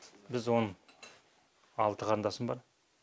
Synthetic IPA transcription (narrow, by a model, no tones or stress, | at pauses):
bɪzwo̞nəɴ | ɑlˠt̪əʁʰɑɾnd̪ɑsənbɑɾ